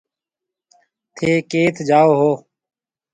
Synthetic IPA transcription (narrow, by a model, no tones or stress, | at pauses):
t̪ʰeːkeːt̪ʰd͡ʒaːoːɦoː